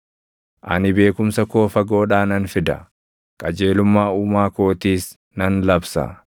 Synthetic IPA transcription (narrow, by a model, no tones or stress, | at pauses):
ʔɐ̰nɪbe̞ːkʊmsɐko̞ːfɐɡoːᶑaːnɐnfɪd̪ɐ̰ | kʼɐd͡ʒe̞ːlʊmːaːuːmaːko̞ːt̪iːs | nɐnlɐbsɐ̰